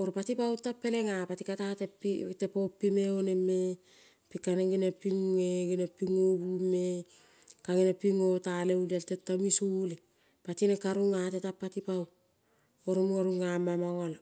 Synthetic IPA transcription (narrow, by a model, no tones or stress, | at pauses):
oɾpatipawtapːe̞leŋapatikatatepitepopːimeoneme | pikaneŋɡinepiŋuŋeɡinepiŋobume | kaɡinepiŋotaleulaltetːamisule | patinekaɾuŋatetapːatipaw | oɾomuŋaɾuŋamamaŋol